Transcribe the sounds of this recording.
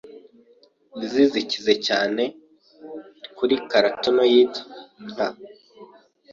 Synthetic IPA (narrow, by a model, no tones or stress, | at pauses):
nizizicize̞caːne̞ | kuɾikaɾatonojiːto̥a